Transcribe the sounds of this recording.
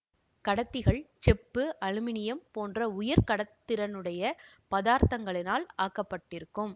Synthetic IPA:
kɐɽɐt̪ːɪɣɐɭt͡ʃɛpːɯʔɐɻɯmɪnɪjɐmpoːndrɐʊjɐɾkɐɽɐt̪ːɪɾɐnɯɽɐjɐpɐðaːɾt̪ɐŋɡɐɭɪnaːlaːkːɐpːɐʈːɪɾɯkːɯm

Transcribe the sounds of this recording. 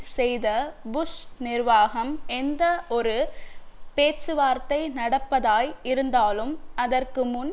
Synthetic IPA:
sɛjðɐbʊsnɪrʋaːɣɐmɛnd̪ɐʔɔɾɯ | peːt͡ʃːɯʋaːɾt̪ɐɪnɐɽɐpːɐðaːjɪɾɯnd̪aːlɯmɐðɐrkɯmʊn

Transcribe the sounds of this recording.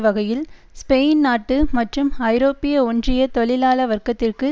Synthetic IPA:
ʋɐɣɐjɪlspeːnnaːʈːɯmɐʈrɯmɐɪɾoːpːɪjɐɔndrɪjɐt̪ɔɭɪlaːlɐʋɐrkɐt̪ːɪrkɯ

